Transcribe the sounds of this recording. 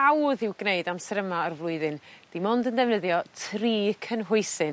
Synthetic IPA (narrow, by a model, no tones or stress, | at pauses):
awðɪwɡ̥neɨdamsɾəmaɔrvlˠʊɨðɨnd̥imɔndəndɛvnəðjɔtʰriːkʰənɦʊɨsɨn